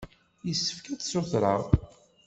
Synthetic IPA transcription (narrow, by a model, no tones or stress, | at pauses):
jəsːə̥fkæt͡ssʊθɾəʁ